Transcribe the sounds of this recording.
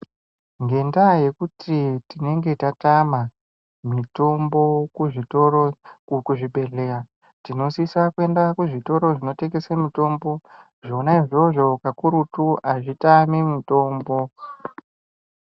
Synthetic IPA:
ŋɡe̞ndaje̞kutʰitine̞ŋɡe̞tatama | mito̞mbo̞kuʐitorokuʐiɓe̞ɮe̞ɾa | tino̞sisakue̞ndakuʐito̞ɾo̞ʐino̞te̞ɡe̞samito̞mbo̞ | ʐo̞naiʐo̞ʐo̞kakuɾutuaʐitamimito̞ːmbo̞

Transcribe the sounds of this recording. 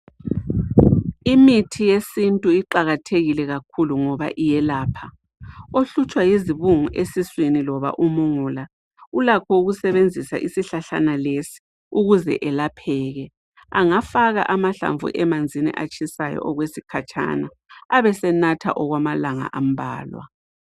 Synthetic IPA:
imitʰijesintʼuiǃaɣatʰeɣilɛɣakʰuluŋɔβa̰ʔijɛlaːpʰa | oɬut͡ʃʼwajeziβuŋuʔesiswinilɔβa̰ʔumuŋula | ulakʰɔuɣusɛβend͡zʱisa̰ʔisiɬaɬa̰nalesi̥ | uɣuzɛ̰ʔɛlapʰɛːɣɛ | aŋafaɣa̰ʔamaɬa̰ɱvṵʔɛmand͡zʱinḭʔat͡ʃʰʼisajɔ̰ʔɔɣwesikʰat͡ʃʰʼa̰naː | βɛsɛnatʰa̰ʔɔɣwamalaŋa̰ʔam̩bʱa̰ːlwa̰

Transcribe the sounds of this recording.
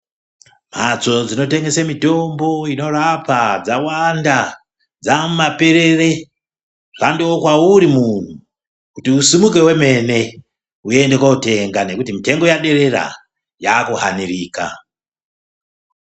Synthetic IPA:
m̤at͡so̞d͡zino̞te̞ŋɡe̞semito̞mbo̞ino̞ɾapad͡zawanda | d͡zamumape̞ɾe̞re̞ | ʐ̥andiwokwauɾimun̤u | kutiusimuke̞we̞me̞ne̞ | ue̞nde̞kwaute̞ŋɡane̞kutimite̞ŋɡo̞jaɗe̞ɾe̞ɾa̰ | jaːkuɦa̰niriːka̰

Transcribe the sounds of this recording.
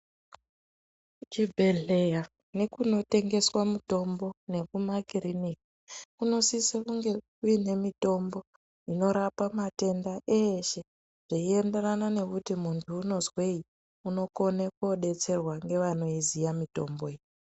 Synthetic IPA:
t͡ʃibʱe̞ɮe̞ja | ne̞kuno̞te̞ŋɡe̞swamuto̞mbo̞ne̞kumakiriniki̥kuno̞sisekuŋɡe̞kuine̞mito̞mbo̞ | ino̞ɾapamate̞ndaʔeʃe̞ | ʐ̥iie̞nderanane̞kutimuntʰuːno̞zwei | uno̞ko̞neko̞ɗe̞t͡se̞rwaŋɡe̞ʋano̞izijamito̞mbo̞eje

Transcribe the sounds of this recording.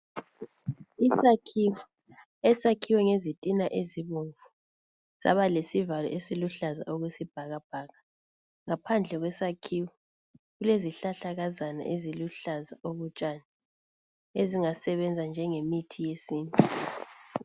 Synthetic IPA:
isakʰi | ɛsakʰiwɛŋezitʼinaʔeziβuɱvu | za̰βalesivalɔ̰ʔesiluɬaza̰ʔoɣwesib̥ʱaɣab̥ʱaːɣa | ŋapʰand͡ɮʱɛɣwɛsakʰiːwɛ | ɣuleziɬaɬaɣazana̰ʔeziluɬazaʔoɣut͡ʃʼaːna | eziŋasɛβɛnd͡zʱand͡ʒʱɛŋemitʰijesiːnʼi

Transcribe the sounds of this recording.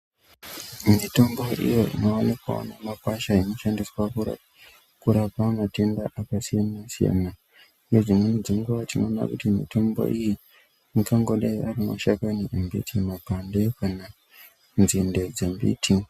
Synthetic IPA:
mito̞mbo̞ʔḭjo̞ḭno̞onikwa̰o̰namakwaʃaino̞ʃandiswaṵ | kuɾapamate̞ndaʔakasijanasija̰na | ijod͡zimwened͡ziŋɡuʋatino̞ːna̰kutimḭto̞mbo̞̰ʔiji | mikaŋɡo̞ɗaiʔarino̰ʃakaniʔembḭtʰimapandekana | nzinded͡zembḭtʰi

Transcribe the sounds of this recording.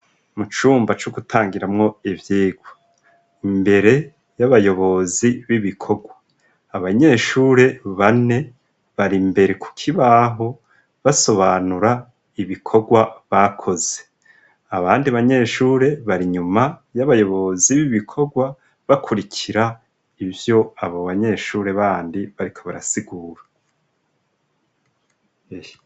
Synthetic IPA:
mut͡ʃuːmbat͡ʃuɡutʰaːŋɡiɾamŋo̞ivjiːɡwo | imbe̞ɾe̞ | jaβajo̞βo̞ziβiβikʰo̞ɡwaː | βaɲe̞ːʃuːɾe̞βane̞ | βaɾimbe̞ɾe̞ku̥kʰiβaːɦo̞ | βaso̞βanuɾa | iβikʰo̞ɡwaβakʰo̞ze̞ | aβaːndiβaɲe̞ːʃuːɾe̞βaɾiɲumajaβajo̞βo̞ziβiβikʰo̞ɡwa | βakʰuɾicʰiɾa | ivjo̞aβoβaɲe̞ʃuːɾe̞βaːndiβaɾikʰo̞βaɾa̰siɡuːɾḁ | e

